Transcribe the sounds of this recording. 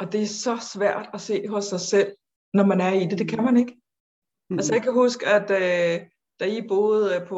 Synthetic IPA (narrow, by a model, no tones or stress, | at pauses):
ɒ̽d̥e̝æɐsɒ̽sʋæɐ̰d̥æse̝̰ːɦɔ̽sːɑ̈ɪsel̰ | nɒmænæɐid̥e̝d̥e̝kʰæmæne̝ɡ̥ə | ælsəjɑ̈kʰæɦusɡ̥əæd̥ø | d̥æib̥o̝ːð̩ˠpʰ